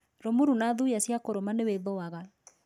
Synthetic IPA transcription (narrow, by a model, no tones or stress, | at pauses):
ɾomuɾunaðujasjakoɾomaneweðowaɣa